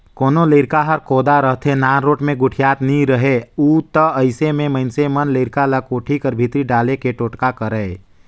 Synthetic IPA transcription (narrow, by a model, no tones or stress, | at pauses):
koːnoleːɾkaɦəɾkoːd̪aɾəɦt̪ʰenaːnɾoːʈmẽɡʊʈʰijaːt̪nĩɾəɦeuːt̪əəɪsemẽməɪnsemənleːɾkaləkoːʈʰikəɾbʱit̪ɾiɖaːlekeʈoːʈkakəɾəː